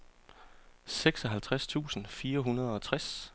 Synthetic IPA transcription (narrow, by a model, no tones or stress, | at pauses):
seɡ̥sɒ̽ɦælt͡sʰʁast͡sʰṵːsn̩fiːɐɦunɐð̞ˠɒ̽t͡sʰʁas